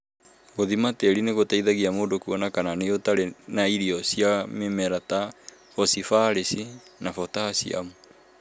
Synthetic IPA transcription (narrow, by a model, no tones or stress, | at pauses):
ɡoðimateɾineɣotaiðaɣiamodokuɔnakananeotaɾenaiɾiɔsiamemɛɾata | fɔsifaɾesinafɔtaasḭa̰mu